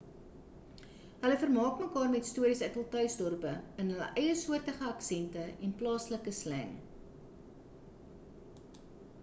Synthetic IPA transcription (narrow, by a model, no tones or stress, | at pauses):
ɦələfərmɑːkməkɑːrmɛtstuəɾisɛtəlˠtœɥsdɔrpəənɦələ̰ʔəjəsuərtəχəɑksɛntəɛnplɑːsləkəslæ̰ŋ